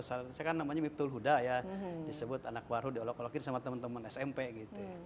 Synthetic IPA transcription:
sasakanːamaɲamip̚t̪ulɦudajadisəbʊt̪anak̚barɦudiolɔkolɔkinsamat̪əmənt̪əmənɛsɛmpeɡit̪u

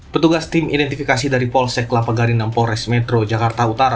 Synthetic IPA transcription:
pət̪uɡast̪imʔḭdɛnt̪ifikasidaɾipɔlsɛklapaɡaɾinampɔɾɛsmɛt̪ɾod͡ʒakart̪aut̪aɾa

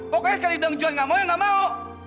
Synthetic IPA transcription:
pɔkɛkadidəŋd͡ʒuanŋamajaŋamao

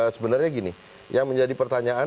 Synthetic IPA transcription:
səbənərɲaɡini | jaŋməɲd͡ʒadipərt̪aɲaa

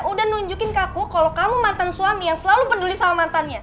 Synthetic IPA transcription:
udahnuɲd͡ʒukɪnkakukalokamumant̪ansuamijaŋsəlalupədulisawamant̪anɲa

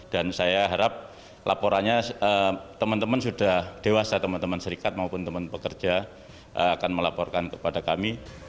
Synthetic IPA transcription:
d̥ansajaɦaɾap̚ | lʔa̰poɾanɲaət̪əmənt̪əmənsudahd̥ewasat̪əmənt̪əmənsəɾikat̪̚maupʊnt̪əmənpəkərd͡ʒa | ʔəakanməlapɔrkankəpadakami

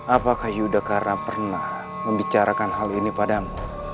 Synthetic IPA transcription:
apakahjudakaɾnapərnah | məmbit͡ʃaɾʔakanɦalinipadamu

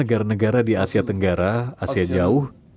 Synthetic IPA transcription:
əɡaɾanəɡaɾadiasiat̪əŋɡaɾaasiad͡ʒaʊh

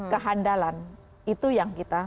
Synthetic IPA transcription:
kəɦandalan | it̪ujaŋkit̪a

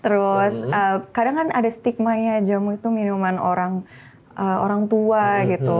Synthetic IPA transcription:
t̪əɾʊsəkadaŋkanadast̪ik̚maɲad͡ʒamuit̪uminumanoɾaŋ | ʔəoɾaŋt̪uaɡit̪u

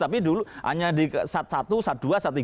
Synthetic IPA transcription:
t̪apiduluʔa̰ɲadisat̪̚sat̪usat̪̚d̪̥uasat̪ːi

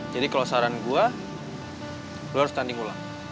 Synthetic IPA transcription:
d͡ʒadikalosaɾanɡua | ɡuaɾst̪andiŋula̰ŋ

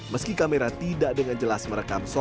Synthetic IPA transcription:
məskikameɾat̪idaʔdəŋand͡ʒəlasməɾəkamsɔ

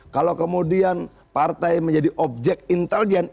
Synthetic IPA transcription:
kalokəmudian | part̪ajməɲd͡ʒadiʔɔp̚d͡ʒɛk̚t̪̚int̪ɛld͡ʒɛn

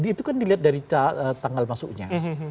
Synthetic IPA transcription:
dːt̪ukandiliat̪̚daɾit͡ʃaət̪aŋalmasʊ̰kɲaɦ

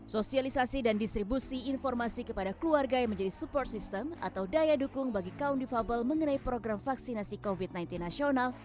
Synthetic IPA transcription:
sosialisasidandist̪ɾibusiːnfɔrmasikəpadakluarɡajaŋməɲd͡ʒadisupɔrt̪̚sist̪əma̰t̪awdajadukʊŋbaɡikaundifabəlməŋənaipɾoɡɾamfaksinasikovit̪̚najnt̪inːasional

